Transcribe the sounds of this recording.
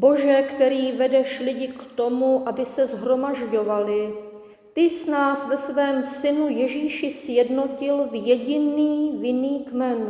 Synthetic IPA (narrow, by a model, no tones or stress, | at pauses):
bo̞ʒɛkt̪ɛɾiːvɛdɛʃlɪɟɪkt̪o̞muʔabɪsɛzɦɾo̞maʒɟo̞valɪ | t̪ɪsnaːsvɛsvɛːmsɪnujɛʒiːʃɪsjɛdno̞cɪlvjɛɟɪniːvɪniːkmɛn